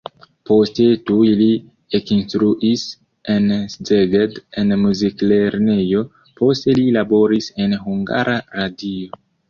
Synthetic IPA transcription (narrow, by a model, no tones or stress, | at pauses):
po̞ste̞tuli | ekinstɾuʔis | e̞nszeɡedenmuzikleɾne̞jo̞ | po̞ste̞lilabo̞ɾise̞nɦuŋɡa̰ɾaɾadio̞